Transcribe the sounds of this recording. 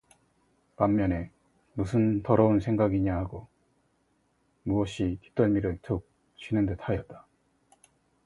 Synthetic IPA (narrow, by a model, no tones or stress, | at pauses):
pamːjʌne̞ | musʰɯntʌɾʌunsʰe̞ŋɡaɡiɲahaɡo | muʌɕ͈ʰiti̥p̚t͈ʌɭmiɾɯɭt͡ɕok̚ | t͡ɕʰɥinɯndetʰajʌt̚t͈ḁ